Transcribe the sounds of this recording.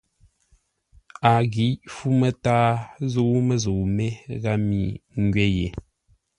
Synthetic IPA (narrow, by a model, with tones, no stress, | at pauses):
a˨ɣi˨˦fu˦mə˨taː˦zo˦mə˦zo˨me˦ɣa˦mi˨ŋ˦ɡɥe˦jḛ˨